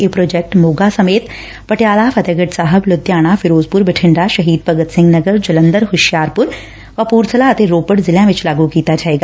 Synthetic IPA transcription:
eːpɾoːd͡ʒɛk̚ʈmoːɡasɐmeːt̪ | pɐʈjaːlafʰɐt̪əɡəʈsaːɦəblʊd̪jaːɽ̃afʰɪɾoːzpʊɾbɪʈʰɪ̃ɳɖaʃɐɦiːd̪̚pɐɡət̪sɪ̃ŋɡnəɡəɾd͡ʒɐlə̃nd̪əɾɦʊʃjaːɾpʊɾ | ʋapuːɾt̪ʰəlaɐt̪eɾoːpəʈzɪlãʋɪt͡ʃlaːɡukiːt̪ad͡ʒaːeːɡaː

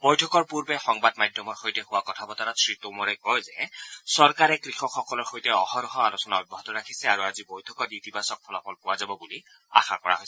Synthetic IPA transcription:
bɔjtʰɔkɔɹpuɹbɛxɔŋbad̚majdʱɔmɔɹxojtɛhʊwakɔtʰabɔtaɾasɹitʊmɔɹɛkɔjzɛsɔɹkaɹɛkɹixɔxɔkɔlɔɹxojtɛɔhɔɾɔɦɔalusɔnaɔbɔɦɔtɔɹakʰisɛaɹuazibɔjtʰɔkɔɹitibasɔk̚pʰɔlɔpʰɔlpʊwazabɔbuli | a̰xa̰kɔɹa̰ɦojsɛ

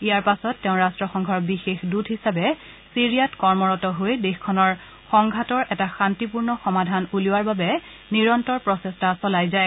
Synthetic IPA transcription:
ijaɹpasɔtːɛʊ̃ɹastɹɔxɔŋɡʱɔɹbixexdudʱɦisabɛ | siɹijatkɔɹmɔɹɔtɔɦojdexkʰɔnɔɹ | xɔŋɡʱatɔɹʔɛtaxantipuɹnɔxɔmadʱanuliwaɹbabɛ | niɹɔntɔɹpɹɔsɛstasɔlajzaj

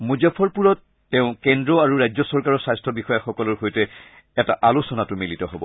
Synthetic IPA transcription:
muzapʰɔɹpuɹɔt̚ | tɛʊ̃kɛndɹɔaɹuɹajzɔsɔɹkaɹɔɹsajstʰɔbixɔjaxɔkɔlɔɹxojtɛ | ɛta̰ʔalosɔnatʊmilitɔɦɔbɔ̰

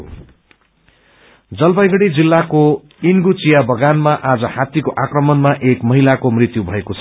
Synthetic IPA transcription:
d͡zʌlbajɡʌɽid͡zilːako | inɡut͡sijabʱʌɡanmaʔad͡zʌhat̪ːikoʔakrʌmʌnmaʔekmʌɦilakomrit̪jubʱʌekot͡sʰʌ

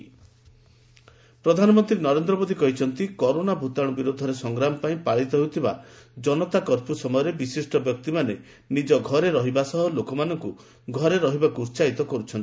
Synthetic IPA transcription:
pɾɔd̪ʱanɔmɔnt̪ɾinɔɾend̪ɾɔmod̪ʱikɔɦit͡ʃʰɔnt̪ikɔɾonabʱut̪aɽ̃ɔbiɾod̪ʱɔɾesɔŋɡɾamɔpaĩpaɭit̪ɔɦewt̪ʰiba̰d͡ʒɔnɔt̪akɔɾpusɔmɔjɔɾebisisʈɔbjɔk̚t̪imane | nid͡ʒɔɡʱɔɾeɾɔɦibasɔɦɔlokɔmanɔŋku | ɡʱɔɾeɾɔɦibakuɾt͡ʃait̪ɔkɔɾut͡ʃʰɔni

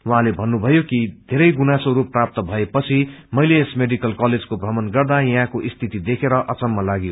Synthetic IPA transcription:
wuɦãlebʱʌnːubʱʌjokid̪ʱeɾʌjɡunasoɾupːrap̚t̪ʌbʱʌepʌt͡sʰimʌjleːsmeɖikʌlkʌled͡zkobrʌmʌnɡʌrd̪ajʌ̃ɦãkoʔist̪ʰit̪id̪ekʰeɾʌʔʌt͡sʌmːʌlaɡijo

